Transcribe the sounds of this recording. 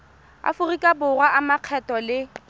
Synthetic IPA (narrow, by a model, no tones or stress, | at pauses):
a̰fʊrikʼabʊrwaamaq͡χʰɛtɔlɪ